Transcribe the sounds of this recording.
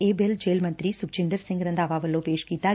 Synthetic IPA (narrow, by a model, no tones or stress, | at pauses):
eːbeld͡ʒeːlmə̃nt̪ɾiːsʊk̚t͡ʃɪ̃nd̪əɾsɪ̃ŋɡɾə̃nd̪aːʋaːʋəlːõːpeːʃkiːt̪aː